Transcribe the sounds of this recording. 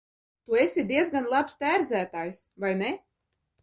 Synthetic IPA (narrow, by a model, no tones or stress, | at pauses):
t̪uesʲid̪iɛd̪zɡanlˠapst̪æːɾd̪zæːt̪aːjsvajne